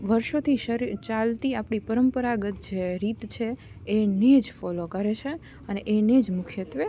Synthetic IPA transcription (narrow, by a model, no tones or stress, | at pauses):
ʋəɾʃot̪ʰiʃəɾit͡ʃalt̪iapɳipəɾəmpəɾaɡət̪̚d͡ʒeɾit̪t͡ʃʰe | ened͡ʒfɔlokəɾet͡ʃʰe | əneʔened͡ʒmʊkʰjət̪ʋe